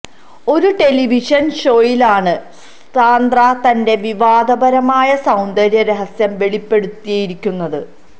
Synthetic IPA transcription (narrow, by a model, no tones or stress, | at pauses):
o̞ɾuʈe̞liʋiʂɐnʂo̞ːjilaːɳɨ | taːnd̪rat̪ɐnde̞ʋiʋaːd̪ɐbɐɾɐmaːjɐsɐwnd̪ɐɾjɐɾe̞ɦɐsjɐmʋe̞ɭipːe̞ɽut̪ːijɐjiɾikʲːunːɐðɨ